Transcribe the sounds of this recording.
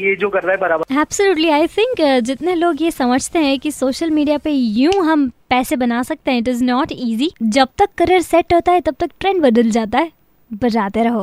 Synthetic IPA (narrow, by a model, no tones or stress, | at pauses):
jed͡ʒoːkɐɾɾaɦɛbɐɾaːbəɛːb̥səljuːʈliaːɪt̪ʰɪ̃ŋkd͡ʒɪt̪neloːɡjesɐməd͡ʒʱt̪eɦɛ̃kisoːʃəlmiːɖijapejũːɦɐmpɛːsebɐnaːsɐk̚t̪eɦɛ̃ɪʈ̬ɪznɔːʈiːzid͡ʒɐb̚t̪ɐkːɐɾeɾsɛʈɦoːt̪aɦɛt̪ɐb̚t̪ɐk̚ʈɾɛ̃ːɳɖbɐd̪əld͡ʒaːt̪aɦɛ | bɐd͡ʒaːt̪eɾɐɦoː